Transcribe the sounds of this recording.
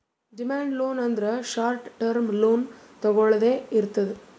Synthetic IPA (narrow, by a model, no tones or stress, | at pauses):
ɖɪmaːɳɖloːnɐnd̪ɾɐʂaːɾʈʈːɐɾmloːn | t̪ɔɣɔɭɐðeːɪɾɯt̪ːɐðɯ